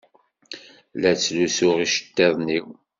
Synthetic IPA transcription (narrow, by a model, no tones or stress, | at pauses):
læt͡sːlusʊʁiʃə̥t̪ːeðˤniw